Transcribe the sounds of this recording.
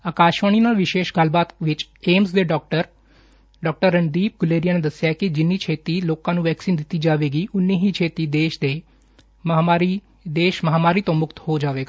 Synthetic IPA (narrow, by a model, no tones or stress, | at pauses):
aːkaːʃʋaːɽ̃iːnaːlʋɪʃeːʃɡəlbaːt̪ʋɪt͡ʃeːmsd̪eːɖɔːk̚ʈəɾ | ɖɔːk̚ʈəɾːənd̪iːp̚ɡʊleːɾijaːneːd̪əsɪjaːkɪd͡ʒɪnːiːt͡ʃʰeːt̪iːloːkãːnũːʋɛːksiːnd̪ɪt̪ːiːd͡ʒaːʋeːɡiːʔʊnːiːɦiːt͡ʃʰeːt̪iːd̪eːʃd̪eː | mːaːɾi | d̪eːʃməɦaːmaːɾiːt̪õːmʊkt̪hoːd͡ʒaːʋeːɡaː